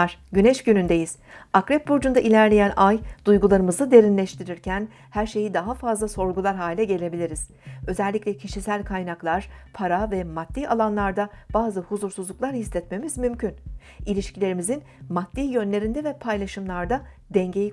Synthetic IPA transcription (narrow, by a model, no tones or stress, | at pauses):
ɾ̥ɟynɛʃɟynynd̪e̞jiz̥akɾɛp̚buɾd͡ʒund̪aʔilʲæɾlʲe̞jænʔajd̪̥ujɡulˠaɾɯmɯzɯd̪e̞ɾinlʲɛʃt̪ʰiɾiɾcʰæn | hæɾʃe̞jid̪aɦafazlˠaso̞ɾɡulˠaɾɦaːlʲɛɟe̞lʲe̞bilʲiɾiz̥ | ø̞zɛlʲːicʲlʲɛcʰiʃisælʲkʰajnaklˠaɾ̥pʰaɾavɛmad̪ːiːalˠanlˠaɾd̪ab̥aːzɯhuzuɾsuzlˠuklˠaɾhislʲɛt̪me̞mizmymcʰyn | ilʲiʃcilʲeɾimizin | mad̪ːiːjø̞nlʲe̞ɾind̪ɛvɛpʰajlˠaʃɯmlˠaɾd̪a | d̪ɛɲɟe̞ji